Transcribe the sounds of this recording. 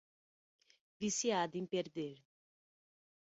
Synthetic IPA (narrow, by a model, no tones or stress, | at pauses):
visiad̪ẽmpeɾd̪eɾ